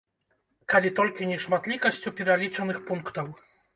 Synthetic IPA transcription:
kalʲit̪ɔlʲkʲinʲɛʂmat̪lʲikɐsʲt͡sʲupʲɛɾalʲit͡ʂɐnɨxpuŋkt̪ɐw

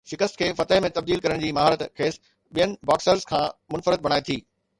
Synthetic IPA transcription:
ʃɪkəst̪kʰeːfɐt̪əɦmẽt̪ɐbd̪iːlkɐɾəɽ̃d͡ʑiːmɐɦaːɾət̪kʰeːs | ɓijənɪ̆baːksəɾzkʰãːmʊnfəɾɪt̪̚bɐɽ̃aːet̪ʰiː

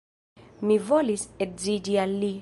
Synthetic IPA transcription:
mivɔlisɛd͡zidiali

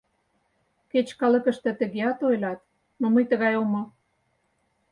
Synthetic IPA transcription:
ket͡ɕkɑlə̆kə̆ʃt̪ə̆t̪ə̆ɣeɑt̪ojlɑt̪̚ | moməjt̪əɣɑjomo

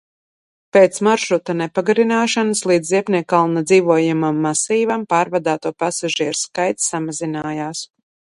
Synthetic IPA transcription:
peːt̪smaɾʃɾut̪anɛpaɡaɾinaːʃanɨslˠiːd̪zziɛpnʲiɛkːalˠnad̪ziːvuɔjamamːasiːvampaːɾvad̪aːt̪uɔpasaʒiɛɾskajt̪sːamazinaːjaːs

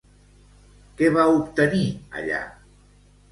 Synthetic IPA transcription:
kɛβaup̚t̪əniə̰ʎa̰

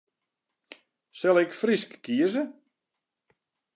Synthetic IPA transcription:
sɛlˠɪkfriskːiəzə

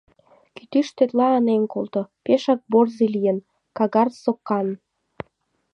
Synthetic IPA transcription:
kyt̪iʃt̪et̪lɑːnenkolt̪opeʃɑk̚borzilijən | kɑɣɑrsokːɑn

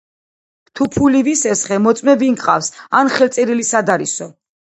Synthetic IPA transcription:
t̪ʰupʰulivisɛsχɛmɔt̪sʼmɛbiŋkʼqʼa̰fsanχɛlt̪sʼɛɾilisad̪aɾisɔ

